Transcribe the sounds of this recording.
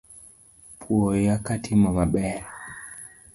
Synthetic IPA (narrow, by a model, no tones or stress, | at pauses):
pʰuɔjakatʰimaβaɓɛɾa